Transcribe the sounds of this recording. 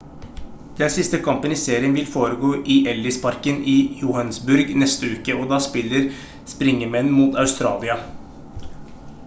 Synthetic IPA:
d̪̥ɛnsɪst̪əkʰɑmpənɪseːɾɪənʋɪlfoːɾəɡoːʔɪʔɛlːɪspʰɑɾkənɪjʊhɑnsbʉɾɡnɛst̪əʉːkəɔd̪ɑːspɪlːəɾ | spɾɪŋːəmɛnːmuːt̪ɑʉst̪ɾɑ̰ːlɪɑ

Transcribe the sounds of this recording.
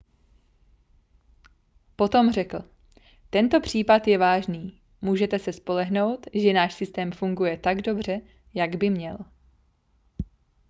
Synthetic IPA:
po̞t̪o̞mr̝ɛkl̩ | t̪ɛnt̪o̞pr̝̥iːpat̪jɛvaːʒniː | muːʒɛt̪ɛsɛspo̞lɛɦno̞wt̪ʒɛnaːʃsɪst̪ɛːmfuŋɡujɛt̪aɡdo̞br̝ɛ | jaɡbɪmɲɛl

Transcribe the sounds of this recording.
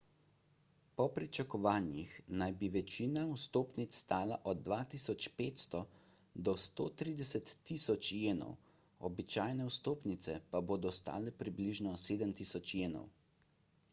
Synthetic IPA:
pɔpɾit͡ʃakɔʋaːnjixnajbiʋɛt͡ʃinawst̪oːpnit̪sst̪aːlaʔɔd̪̚ːʋaːt̪isɔt͡ʃpeːt̪st̪ɔ | d̪ɔst̪o̰ːt̪ɾiːd̪ɛsɛt̪ːisɔt͡ʃjeːnɔ̰w | ɔbit͡ʃaːjnɛwst̪oːpnit̪sɛpaboːd̪ɔst̪a̰ːlɛpɾibliʒnɔseːd̪əmt̪isɔt͡ʃjeːnɔ̰w

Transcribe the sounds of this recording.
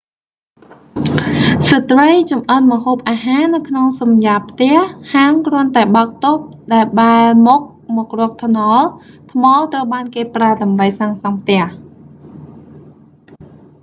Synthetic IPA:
sət̪rəjt͡ɕumʔənməhoːp̚ʔaːɦaːnɨwkʰnoŋsɑmjaːpʰt̪ɛ̆əhhaːəmkrʊənt̪aɛɓaək̚t̪op̚ɗaɛlɓaɛlmɔːk̚mɔːk̚rʊ̆ək̚t̪ʰnɑl | t̪ʰmɑːlt̪rəwɓaːnkeːpraəɗaəmɓəjsaːŋsɑŋp̚ʰt̪ɛ̆əh

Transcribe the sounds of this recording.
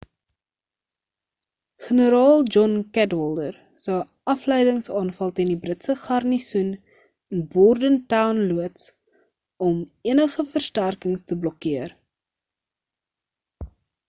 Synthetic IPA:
χənəɾɑːlˠd͡ʒɔnkætɔlˠdər | səə | ɐfləjdəŋsɑːnfɐlˠtiəndibrətsəχɐrnisun | ənbɔrdəntawnluəts | ɔmiənəχəfərstærkəŋstəblɔkiər

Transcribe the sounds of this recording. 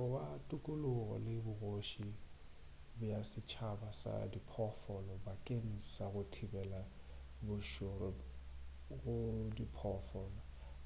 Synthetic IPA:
ʊbatʼukʼʊlʊɣɔ̰lɪbʊɣoʃi | bʊjasɪt͡ʃʰabasa̰dipʰɔfɔlɔbakʼen̩saɣʊtʰibɛla | bʊʃʊrɪ | ɣʊdipʰɔfɔlɔ

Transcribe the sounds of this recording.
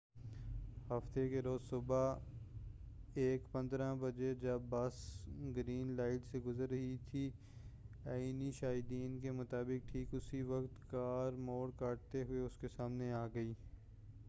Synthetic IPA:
hɐft̪ekeɾoːzsʊba | eːkpɐ̃nd̪ɾãbɐd͡ʒed͡ʒɐbːɐsɡɾiːnlaːɪʈseɡʊzəɾːɐɦit̪ʰi | aːiniʃaːɦɪd̪iːnkemʊt̪aːbɪk̚ʈʰiːkʊsiʋɐkt̪kaːɾmoːɽkaːʈ̚t̪eɦʊeʊskesaːmneaːɡɐiː

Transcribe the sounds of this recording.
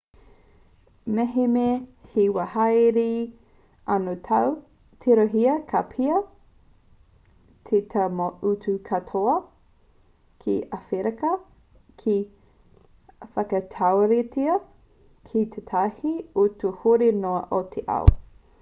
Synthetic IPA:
mɛɦemehiwɐhɐjɾi | ɐnotʰaw | tʰeɾoɦiɐkʰapʰiɐ | t̪ʰetʰɐmoʔutukʰɐtʰoɐ | kʰiʔɐfeɾɐkɐ | kʰi | fɐkɐt̪ʰawɾitiɐ | kʰit̪ʰetʰahiotuhoɾenoɐʔot̪ʰeʔa̰w̰

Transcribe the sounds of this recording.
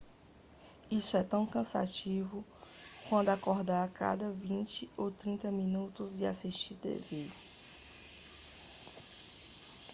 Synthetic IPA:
isʊɛt̪ɐ̃w̃kɐ̃sa̰t͡ʃivʊkwɐ̃d̪ʊakɔɦd̪aɾaka̰d̪ɐvĩt͡ʃɪowt̪ɾĩnt̪ɐmĩnut̪ʊzd͡ʒɪasiʃt͡ʃiɾt̪ḛve

